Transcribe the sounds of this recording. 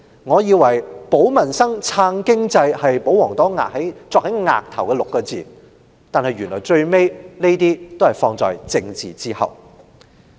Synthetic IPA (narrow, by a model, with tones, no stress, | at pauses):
ŋɔː˨˧jiː˨˧wɐ˨˩jpo˨˥wmɐ˨˩nsɐ˥ŋt͡sʰaː˧ŋkɪ˥ŋt͡sɐ˧jhɐ˨jpo˨˥wɔː˨˩ŋt̪ɔː˨˥ŋa̰ː˨k̚he˨˥jt͡sɔː˧k̚hɐ˨˥jŋa̰ː˨k̚t̪ʰɐ˨˩wkɛː˧lʊ˨kːɔː˧t͡siː˨ | t̪aː˨nhɐ˨jɥy˨˩nlɔː˨˩jt͡sɵ˧ɥme˥jne˥jt̪iː˥t̪o˥whɐ˨˩jfɔː˧ŋt͡sɔ̰ː˨jt͡sɪ˧ŋt͡sḭː˨˩t͡siː˥hɐ̰˨w